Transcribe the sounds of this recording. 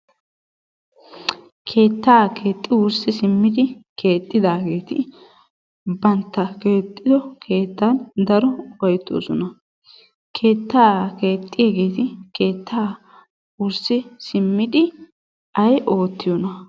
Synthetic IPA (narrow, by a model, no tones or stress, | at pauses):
kʰe̞ːt̪ːaːke̞ːt̪ʼːɪwʊɾsɪsɪmːɪd̪ɪkʰe̞ːt̪ʼːɪd̪aːɡe̞ːt̪ɪ | bɐnt̪ːɐkeːt̪ʼːɪd̪ɔkʰe̞ːt̪ːand̪ɐɾɔwɐjt̪ːo̰ːsɔnɐ | kʰe̞ːt̪ːaːke̞ːt̪ʼːɪjeɡe̞ːt̪ɪke̞ːt̪ʰːaː | wʊɾsɪsɪmːɪd̪ɪ | ʔɐjʔo̞ːt̪ːɪjɔnɐ